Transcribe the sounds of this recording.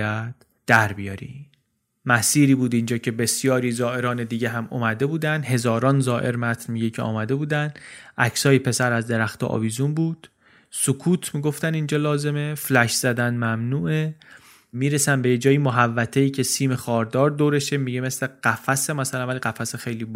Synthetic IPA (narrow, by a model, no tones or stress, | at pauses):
æd̪̥ | d̪̥æɾbijɒɾḭ | mæsiːɾiːbuːd̪ind͡ʒɒːcʰe̞be̞sjɒːɾiːzɒːe̞ɾɒːned̪iːɟeɦæmo̰mæd̪e̞buːd̪ænd̪ɦe̞zɒːɾɒːnzɒːʔe̞ɾmæt̪ʰnmiɟecʰeɒ̰ːmæd̪e̞buːd̪ænʔæcʰsɒːjepʰe̞sæɾæzd̪e̞ɾæxt̪eʔɒ̰bizunbuːd̪̥ | sokʰuːt̪ʰmiɡo̞ft̪ænind͡ʒɒːlɒːze̞me̞flæʃz̥æd̪ænmæmnuːʔe | miːɾesænbe̞jed͡ʒɒːjimoɦævːæt̪ʰejiːcʰe̞siːme̞xɒːɾd̪ɒːɾd̪oːɾe̞ʃemiɟemesleɢ̥æfæsemæsælænvæliɣæfæsexejliːb